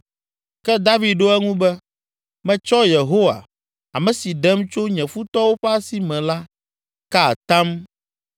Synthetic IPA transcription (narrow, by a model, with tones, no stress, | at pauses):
kɛ˦d̪a˦vi˨d̪̚ɖo˦ɛ˦ŋũ˦bɛ˦ | mɛ̃˨t͡ʃɔ˦je˨ɦo˦wa̰˨ | a̰˨mɛ̃˨si˨ɖɛ˦mt͡ʃo˦ɲɛ̃˨fu˦t̪ɔ˦wo˦ɸɛ˦a˦si˨mɛ̃˨la˦ | ka˦˨t̪ã˦m